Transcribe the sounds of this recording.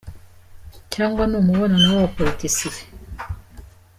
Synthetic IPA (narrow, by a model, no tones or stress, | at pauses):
caːŋɡwanomuβonanawapolitisi